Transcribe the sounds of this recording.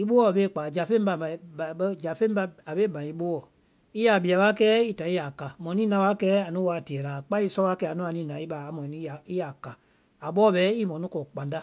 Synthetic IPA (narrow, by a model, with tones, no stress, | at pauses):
i˦ɓo˦wɔ˦˨ɓe˦˨k͡pa˨d͡ʒa˨fẽ˦ba˧˨ã˨˦˨ɓə˧˦d͡ʒa˨fẽ˦ba˧a˨ɓe˦bã˨i˧˦ɓo˦wɔ˨ | i˦ja˨bi˨a˨ɓa˦kɛː˦i˦ta˨˦i˦a˨ka˨mɔ̃˨nĩː˦nã˧˦ɓa˦kɛː˦a˨nũ˦wa˧˦˨ti˨ɛ˨la˨k͡pa˦i˦sɔ˧˦a˦kɛ˦a˨nũ˦a˨nĩː˦nã˨˦i˦ɓa˨˦a˨mɔ̃˨nĩ˦a˨i˦ja˨ka˨ | a˨ɓɔː˦ɓɛ˨˦i˦mɔ̃˨nũ˦kɔ˨k͡pã˨nda˦